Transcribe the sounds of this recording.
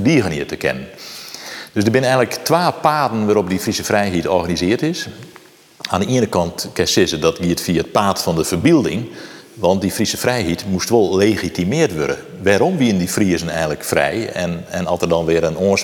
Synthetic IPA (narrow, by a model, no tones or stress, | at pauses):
ədiəɣəniətəkʰɛ̰nən | d̥øsdərbɪnənɛjŋləktʋaːpaːdənʋaːɾop̚difrisəfrɛjɦitɔrɣanizɪərtɪs | aːndəiənəkɑntkɛsɪzədɔtɡiətfiəət̚paːtfɔndəv̥ərbilˠdɪŋ | ʋɑnt̚difrisəfrɛjɦitmustʋolˠleːɣitimɪərtʋø̰rdə | ʋaːɾɔmʋiən̩difriəzənɛ̰jɣnləkfrɛ̰jɛnɛnɔtərdɔnʋɪəɾənoəs